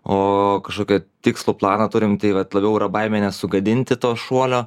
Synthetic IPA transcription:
oːkɐʃkoːkʲɛt̪ʲɪkslˠuːplˠɑːnɐt̪ʊɾʲɪmt̪ɐɪʋɐt̪lˠɐbʲɛʊiːɾɐbɐɪmʲeːnʲɛsʊɡɐd̪ʲɪnʲt̪ʲɪt̪oːʃuɔlʲoː

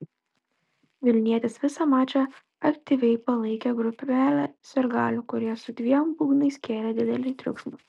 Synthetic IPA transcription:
ʋʲɪlʲnʲiɛt̪ʲɪsʋʲɪsɐmɑːt͡ʃʲɛ | ɐkt̪ʲiˑʋʲɛɪpɐlˠɐɪkʲɛɡɾʊpʲæːlʲɛsʲɛɾɡɑːlʲʊkʊɾʲiɛsʊd̪ʲʋʲiɛmbuːɡnɐɪsʲkʲeːɾʲɛd̪ʲɪd̪ʲɛlʲɪt̪ʲɾʲʊ̰kʃmʊ

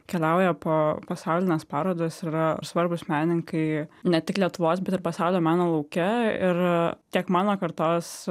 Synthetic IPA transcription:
kʲɛlʲɛʊjɛpoːpɐsɑʊlʲɪnʲɛːspɑːɾoːd̪oːsiːɾɐsʋɐɾbʊsmʲæːnʲɪŋkɐɪnʲɛt̪ʲɪklʲiɛt̪ʊʋoːsbʲɛt̪ɪɾpɐsɑʊlʲoːmɑːnoːlˠɐʊkʲɛɪ̰ɾt̪ʲiɛkmɑːnoːkɐɾt̪oːs

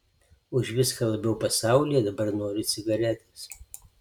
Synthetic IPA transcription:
ʊʃʋʲɪskɐlˠɐbʲɛʊpɐsɑˑʊlʲijɛd̪ɐbɐɾnoːɾʲɪt̪sʲɪɡɐɾʲɛt̪ʲes

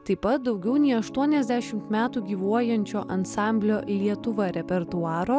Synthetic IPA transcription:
t̪ɐɪpɐt̪̚d̪ɒʊɡʲɛʊnʲɛːɐʃt̪uɔnʲɛzʲd̪ʲæːʃʲɪmt̪mʲæːt̪uːɡʲiːʋuɔjɛnʲt͡ʃʲoːʔɐnsɑˑmʲbʲlʲoːlʲiɛt̪ʊʋɐɾʲɛpʲɛɾt̪ʊɑːɾoː

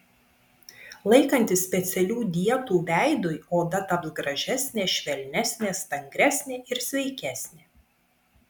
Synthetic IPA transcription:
lˠɐɪkɐnʲt̪ʲɪsʲpʲɛt̪sʲɛlʲuːd̪ʲiɛt̪uːʋʲæˑɪd̪ʊjoːd̪ɐt̪ɐpzɡɾɐʒʲæsʲnʲeːʃʲʋʲɛlʲnʲæsʲnʲeːst̪ɐŋʲɡɾʲæsʲnʲɪɪɾsʲʋʲɛɪkʲæsʲnʲɪ

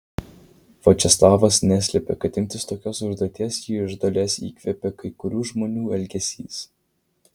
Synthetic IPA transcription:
ʋot͡ʃʲɛslˠɑːʋɐsnʲæsʲlʲɛpʲɛkɐt̪ʲɪnʲt̪ʲɪst̪oːkʲoːsʊʒd̪ɔːt̪ʲiɛsjiːɪʒd̪olʲeːsḭːkʲʋʲɛpʲɛkɐɪkʊɾʲuːʒmoːnʲuːɛlʲɡʲɛsʲḭːs

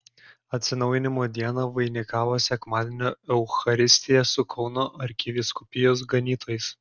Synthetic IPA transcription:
ɐt̪ʲsʲɪnɒʊjɪnʲɪmoːd̪ʲiɛnɐʋɐɪnʲɪkɑːʋoːsʲɛkmɑːd̪ʲenʲoːɛʊxɐɾʲɪsʲt̪ʲɪjɛsʊkʰɒʊnoːʔɐɾʲkʲɪʋʲɪskʊpʲɪjoːs̬ɡɐnʲiːt̪ʰoːjɪs

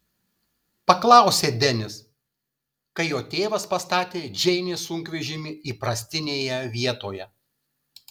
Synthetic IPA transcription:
pɐklˠɑˑʊsʲeːd̪ʲɛnʲɪs | kɐɪjoːt̪ʲeːʋɐspɐst̪ɑːt̪ʲeːd͡ʒʲɛɪnʲeːsʊŋʲkʋʲɛʒʲɪmʲɪiːpɾɐsʲt̪ʲɪnʲeːjɛʋʲiɛt̪oːjɛ

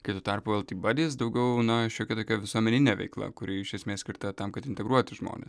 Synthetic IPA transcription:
kɐɪt̪uːt̪ɐrpʊʋʲɛlˠt̪ʲiːbɑːd̪ʲiːs̬d̪ɐʊɡʲɛʊnɐʃʲoːkʲɛt̪oːkʲɛʋʲɪsuɔmʲɛnʲɪnʲeːʋʲɛɪklˠɐ̰kʊɾʲɪɪʃʲɛsʲmʲeːsʲkʲɪɾt̪ɐt̪ɐmkɐt̪ɪnʲt̪ʲɛɡɾuɔt̪ʲɪʒmo̰ːnʲḛːs

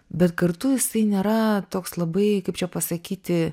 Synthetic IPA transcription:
bʲɛt̪kɐrt̪ʊjɪsɐɪnʲeːɾɐt̪oːkslˠɐbɐɪkɐɪp̚t͡ʃʲɛpɐsɐkʲiːt̪ʲɪ

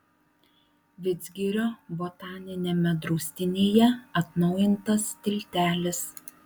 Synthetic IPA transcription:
ʋʲɪd̪zʲɡʲɪɾʲoːbot̪ɑːnʲɪnʲemʲɛd̪ɾɔʊsʲt̪ʲɪnʲeːjɛɐt̪nɒʊjɪnt̪ɐst̪ʲɪlʲt̪ʲæːlʲɪs

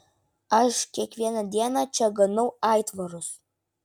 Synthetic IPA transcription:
ɐʃkʲiɛkʋʲiɛnɐd̪ʲiɛnɑt͡ʃʲɛɡɐnɐʊɑɪt̪ʋɐɾʊs

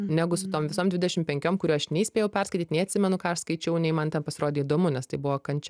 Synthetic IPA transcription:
nʲæɡʊsʊt̪oːmʋʲɪsoːmd̪ʲʋʲɪd̪ʲɛʃʲɪmpʲɛŋʲkʲoːmkʊɾʲuːɐʃnʲɛisʲpʲeːjɛʊpʲɛrskɐɪtʲit̪nʲɛɪɐt̪ʲsʲɪmʲɛnʊkɑːɐʃskɐɪt͡ʃʲɛʊnʲɛɪmɐnt̪ʲɛnpɐsʲɪɾoːd̪ʲeːid̪oːmʊnʲɛst̪ɐɪbʊʋoːkɐnʲt͡ʃʲɛ

